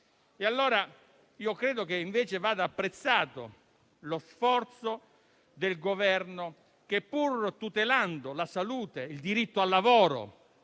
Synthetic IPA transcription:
ealːoːɾa | iːokɾeːd̪okeiɱveːt͡ʃevaːd̪aːpːɾet̪sːaːt̪o̰ | losfɔrt̪so | d̪elɡovɛrno | k̟epːurt̪ut̪eland̪olasaluːt̪eild̪iɾit̪ːoalːavɔːɾo̰

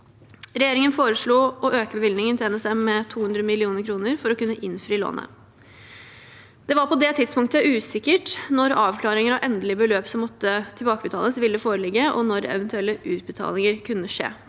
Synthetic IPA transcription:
ɾɛjeːɾɪŋənfoːɾəʂɭuːʔɔʔøːkəbəʋɪlnɪŋənt̪ʰɪlɛnɛsɛmːɛt̪ʰuːhʉnd̪ɾəmɪlɪuːnəɾkʰɾuːnəɾfɔɾɔkʉnːəʔɪnfɾiːlo̰ːnʔə̰ | d̪̥ɛʋɑɾpɔd̪ɛt̪ʰɪd̪spʊŋt̪əʔʉːsɪkːəʈnɔɾɑːʋkʰlɑːɾɪŋəɾɑʋʔɛnd̪əlɪəbəløːpsɔmːɔt̪ːət̪ʰɪlbɑːkəbət̪ʰɑ̰ːləsʋɪld̪əfoːɾəlɪɡːəʔɔ̰nɔɾɛ̰ʋənt̪ʉɛlːəʔʉːt̪̚bət̪ʰɑ̰ːlɪŋəɾkʰʉnːəʂḛː

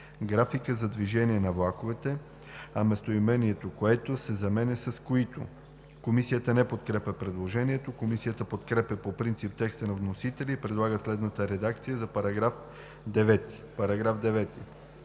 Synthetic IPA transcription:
ɡɾafikəzɐd̪viʒɛniɛnɐvlˠakovɛt̪ɛ | ɐmɛst̪oimɛniɛt̪okoɛt̪osɛzɐmɛnɛsɐskoit̪o̰ | komisijət̪ənɛpot̪kɾɛpʲəpɾɛd̪lˠoʒɛniɛt̪okomisijət̪əpot̪kɾɛpɛpopɾint̪sip̚t̪ɛkst̪ənɐvnosit̪ɛlʲiːpɾɛd̪lˠaɡəslɛd̪nət̪əɾɛd̪ak̚t̪sijəzɐpɐɾɐɡɾaf | d̪ɛvɛt̪i̥ | pɐɾɐɡɾavd̪ɛvɛt̪i

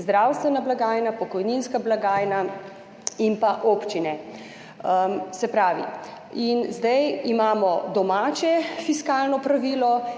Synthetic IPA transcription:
zd̪ɾawst̪ʋɛnablaɡaːjnapɔkɔjninskablaɡaːjna | inpaʔoːpt͡ʃinɛ | msɛpɾaːʋḭ | inzd̪ajimaːmɔd̪ɔmaːt͡ʃɛfiskaːlnɔpɾaʋiːlɔ

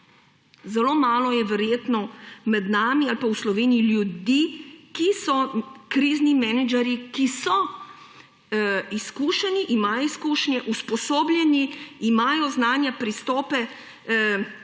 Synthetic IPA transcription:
zɛloːmaːlɔjɛʋɛɾjeːt̪nɔmɛd̪naːmialpawslɔʋeːniiljud̪ikisɔkɾiːznimɛnɛd͡ʒɛɾjikisɔ | iskuːʃɛniʔimajɔiskuːʃnjɛʔuspɔsoːbljɛniːmaːjɔznaːnjapɾist̪ɔːpɛ

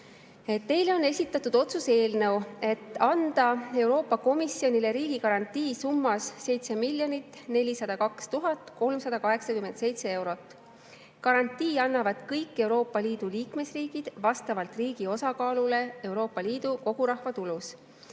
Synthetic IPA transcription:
et̪ːe̞jleo̞nːe̞sʲit̪ːˑɑt̪ːud̪̥o̞t̪suse̞ːlnɤ̞we̞t̪ːˑɑnd̪̥ɑe̞wɾo̞ːpːˑɑko̞misio̞nile̞ɾiːɡ̥ikɑɾɑnt̪ːiːsumːɑsːe̞jt̪se̞milʲjo̞nit̪ːˑne̞lʲisɑd̪̥ɑkɑkst̪uɦɑt̪ːko̞lmsɑd̪̥ɑkɑɦe̞ksɑkyme̞nt̪se̞jt̪se̞e̞wɾo̞t̪ːˑ | kɑɾɑnʲt̪ːˑiːɑnːɑvɑd̪̥kɤjkːe̞uwɾo̞ːpːˑɑliːd̪̥uliːkme̞sriːɡ̥id̪̥vɑst̪ɑvɑlt̪riːɡ̥io̞sɑkɑːlule̞e̞wɾo̞ːpˑːɑliːd̪̥uko̞ɡ̥uɾɑhvɑt̪ulus

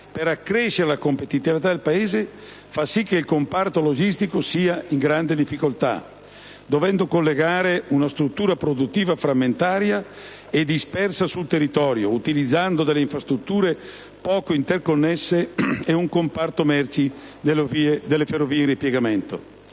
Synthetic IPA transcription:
peɾakːɾeʃeɾelakompet̪it̪ivit̪ad̪elpaeːze | fasik̟ːeilkompart̪olod͡ʒist̪ikosiːaiŋɡɾand̪ed̪ifːikolt̪a̰ | d̪ovɛnd̪okolːeɡaːɾeunast̪ɾut̪ːuːɾapɾod̪ut̪ːiːvafɾamːent̪aːɾja | ed̪ispɛrsasult̪erːit̪ɔːɾjout̪ilid̪zːand̪od̪elːeiɱfɾast̪ɾut̪ːuːɾe | pɔːkoint̪erkonːɛsːeːuŋkompart̪omɛrt͡ʃioviːed̪elːeferːoviːeinripjeɡament̪o̰

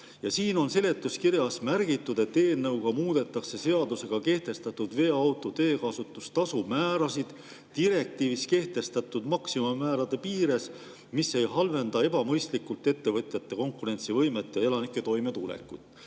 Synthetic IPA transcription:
jɑsiːno̞nse̞le̞t̪ːˑuskiɾjɑsmærɡit̪ːˑud̪̥et̪ːe̞ːnːɤwɡ̥ɑmuːd̪̥e̞t̪ːˑɑkse̞se̞ɑd̪use̞ɡ̥ɑke̞ht̪e̞st̪ɑt̪ːˑud̪ve̞ːɑwt̪ːˑo̞t̪e̞ːkɑsut̪ːˑust̪ɑsumæːɾɑsid̪̥ | t̪iɾe̞k̚t̪iːviske̞ht̪e̞st̪ɑt̪ːˑud̪mɑksimumːæːɾɑd̪̥e̞piːɾe̞s | mise̞jɦɑlve̞nd̪ɑe̞bɑmɤjst̪likːˑult̪ːˑe̞t̪ːe̞vɤt̪ʲˑjɑt̪ːe̞ko̞ŋkːˑuɾe̞nʲt̪sivɤjme̞t̪ːˑjɑe̞lɑnikːˑe̞t̪o̞jme̞t̪ulḛkːˑut̪ːˑ

